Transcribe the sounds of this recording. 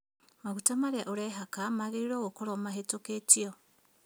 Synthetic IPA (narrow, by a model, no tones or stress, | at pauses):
maɣutamaɾaʔuɾeɦakamaɣiɾiɾoːɣokoɾomaɦetoketio